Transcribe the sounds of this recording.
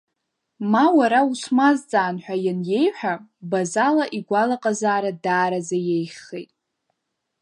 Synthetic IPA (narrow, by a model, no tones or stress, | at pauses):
mawaɾausmazt͡sʼaːnħʷᶣajanje̞jħʷᶣabazalaʔiɡʷalaqʼazaːɾadaːɾazajejχejtʼ